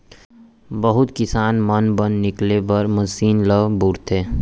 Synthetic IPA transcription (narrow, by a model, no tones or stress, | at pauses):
bəɦʊt̪kɪsaːnmənbənːɪklepəɾməsiːnləʋbuɾt̪ɦeː